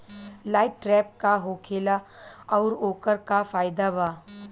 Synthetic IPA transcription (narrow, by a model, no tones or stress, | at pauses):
laːɪʈːɾɛːp̚kaɦoːkʰeːlaɔːɾoːkəɾkafaːjd̪abaː